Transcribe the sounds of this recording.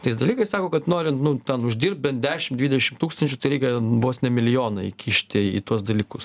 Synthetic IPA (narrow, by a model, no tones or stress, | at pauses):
t̪ɐɪsd̪ɐlʲiːkɐɪsɑːkoːkɐt̪noːɾʲɪnt̪nʊt̪ʲɛnʊʒʲdʲiːrp̚bʲɛnt̪̚d̪ʲæːʃʲɪmd̪ʲʋʲiːd̪ʲɛʃʲɪmt̪uːkst̪ɐnʲt͡ʃʲʊt̪ɐɪɾʲɛɪkʲɛbʋoːsnʲɛmʲɪlʲɪjoːnɐɪkʲʰiːʃʲt̪ʲɪḭːt̪uɔsd̪ɐlʲiːkʊs